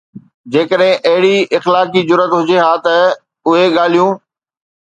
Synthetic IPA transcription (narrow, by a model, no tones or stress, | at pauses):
d͡ʑeːkəɗɦɪ̃ʔɐɦɪɽiɪxlaːkid͡ʑʊɾət̪ɦʊd͡ʑeɦaːt̪ɐ | ʊɦeɠaːl̤ijũː